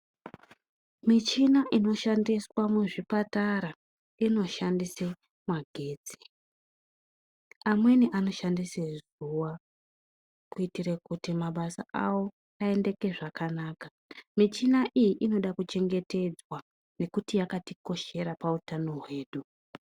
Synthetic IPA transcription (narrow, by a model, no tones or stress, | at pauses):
mit͡ʃinaʔino̞ʃandiswamwuʐipataɾa | ino̞ʃandise | mwaɡʱe̞ːd͡zi̥ | amwe̞niʔano̞ʃandisez | uwa | kuitirekutimaɓasa̰ʔawo̞ | ae̞nde̞ke̞ʐakanaːka | mit͡ʃinaʔijiʔino̞ɗakut͡ʃe̞ŋɡe̞te̞d͡zwa | ne̞kutijakatiko̞ʃe̞ɾapautano̞ɦwe̞ːɗu